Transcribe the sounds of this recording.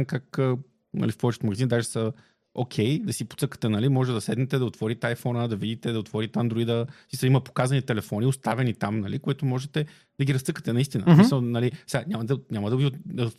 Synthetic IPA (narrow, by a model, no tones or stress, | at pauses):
mkakə | nɐ̰lifpɔvɛt͡ʃət̪mɐɡzind̪aʒɛsə | okʲʰɛjd̪ɐsipo̥t̪sɤkə̥t̪ɛnɐlimɔʒɛt̪ɛd̪ɐsɛd̪nɛt̪ɛd̪ɐot̪vɔɾit̪ajfɔnəd̪ɐvid̪it̪ɛd̪ɐot̪vɔɾit̪and̪ɾoid̪əsisɐiməpo̥kazɐnit̪ɛlɛfɔnʲiost̪avɛnit̪amnɐlikoit̪omɔʒɛt̪ɛ | d̪ɐɡʲiɾɐsɤkə̥t̪ɛnɐist̪inə̰ssmisəlˠnɐlisɛɡaɲʲamɐd̪ɐnʲaməd̪ɐɡio